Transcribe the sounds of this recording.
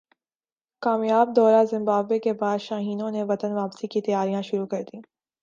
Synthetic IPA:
kaːmjaːb̚d̪ɔːɾazɪ̃mbaːbʋekebaːd̪ʃaːɦiːnõneʋɐt̪ənʋaːpsikit̪ɐjaːɾijãʃʊɾukɐɾd̪ĩː

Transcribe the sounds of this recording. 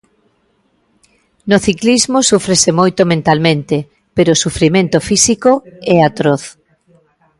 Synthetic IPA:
noθiklizmosufɾesemojt̪omẽnt̪almẽnt̪e | peɾoːsufɾimẽnt̪ofisikoɛat̪ɾoθ

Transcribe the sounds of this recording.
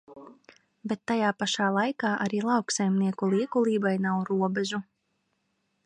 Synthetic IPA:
bet̪ːajaːpaʃaːlˠajkaːʔaɾiːlˠɑwksajmniɛkulˠiɛkulˠiːbajnawɾuɔbɛʒu

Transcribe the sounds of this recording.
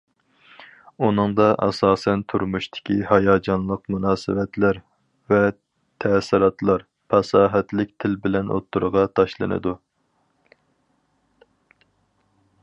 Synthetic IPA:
unɨŋd̪ɑʔɑ̰sɑːsɛnt̪ʰuɾmuʃt̪ʰɪ̥kʲʰihɑjɑːd͡ʒɑnlˠəqmunɑːsɨvɛt̪ʰlæɾ | vɛ | t̪ʰɛsɪɾɑt̪lˠɑɾ | pʰɑsɑːɦɛt̪lɪk̚ʲt̪ʰɪlbɪlɛnʔo̰t̪ʰːuɾʁɑt̪ʰɑʃlˠɨ̰nɨ̰d̪u

